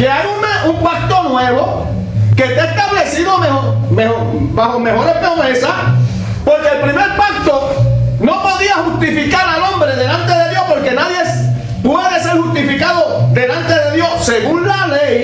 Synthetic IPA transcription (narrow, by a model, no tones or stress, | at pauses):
keajuneumpak̚t̪o̞nweβo̞ | ke̞t̪est̪aβle̞siðomehomeo | bahome̞ho̞ɾe̞hpɾo̞me̞sah | po̞ɾkeeːlpɾime̞ɾpak̚t̪ono̞po̞ðiahust̪ifikaɾalõ̞mbɾe̞ðe̞lant̪e̞ðe̞ðjo̞hpo̞ɾke̞naðje | pwe̞ðe̞se̞ɾhust̪ifikaðod̪e̞lant̪e̞ðe̞ðjo̞sse̞ɣunlalej